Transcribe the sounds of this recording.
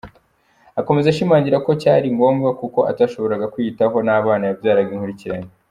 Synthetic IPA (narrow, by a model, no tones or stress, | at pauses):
ako̞me̞zaʃimaːɲɟiɾako̞caːɾiŋɡo̞ːmɡakuko̞ʔa̰taʃo̞βo̞ɾaɡakwitaɦo̞naːβaːnajabjaːɾaɡiŋhuɾiciɾaɲe